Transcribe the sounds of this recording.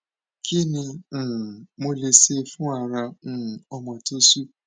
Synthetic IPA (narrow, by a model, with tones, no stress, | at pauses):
kʰi˦ni˧˨ | mo˦le˨se˦fʊ̃˦a˨ɾa˧n̩˨˦˨ɔ˦mɔ˨to˦su˦